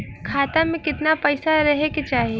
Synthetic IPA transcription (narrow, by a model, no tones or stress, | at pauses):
kʰaːt̪amẽkɪt̪napɐɪsaɾɐɦeket͡ʃaːɦie